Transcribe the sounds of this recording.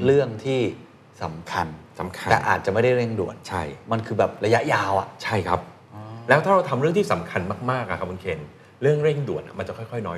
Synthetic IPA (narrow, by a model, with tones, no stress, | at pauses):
ɾɯ˥˩əŋt̪ʰiː˥˩ | sa˩˦mkʰa˧na˩˦mk̪ʰɛː˨˩ʔa̰ː˨˩t̪̚t͡ɕa˨˩ma˥˩jda˥˩jɾe˥˩ŋdu˨˩ən̚t͡ɕʰa˥˩jma˧nkʰɯː˧bɛː˨˩p̚ɾa˧ja˦˥ʔjaː˧wʔa̰˨˩ʔt͡ɕʰa˥˩jkʰa˦˥p̚ː | lɛː˦˥t̪ʰaː˥˩ɾa˧wt̪ʰa˧mɾɯ˥˩əŋt̪ʰiː˥˩sa˩˦mkʰa˧nmaː˥˩k̚maː˥˩k̚ːa˧˩kʰa˦˥p̚ʰu˧nkʰeː˧n | ɾɯ˥˩əŋɾe˥˩ŋdu˨˩ənʔa̰˨˩ma˧nt͡ɕa˨˩kʰjkʰɔ˥˩jnɔː˦˥